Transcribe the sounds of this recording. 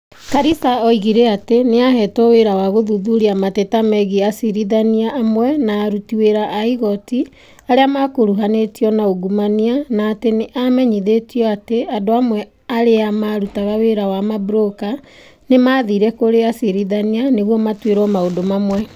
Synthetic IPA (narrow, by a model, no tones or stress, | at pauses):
kaɾisaɔiɣiɾeateneaɦɛtoweɾawaɣoðuðuɾiamatetamɛɣiasiɾiðaniaʔːmwɛnaːɾutiweɾaʔːiɣɔti | aɾeamakoɾuɦanetiɔnaoɡumanianaːteneʔamɛɲiðetiɔateadoamwɛ | aɾeamaɾutaɣaweɾawamabuɾoka | nemaðiɾɛkoɾeasiɾiðanianeɣwɔmatweɾɔmaodomamwɛ